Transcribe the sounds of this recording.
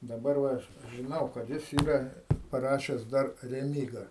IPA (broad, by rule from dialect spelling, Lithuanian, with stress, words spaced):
dɐˈbɐr ˈʋɐ ˈɐʃ ʒʲɪˈnɐʊ kɐt ˈjɪs ˈiːrɐ pɐˈrɑːʃʲɛs dɐr rʲɛˈmʲiːɡɐ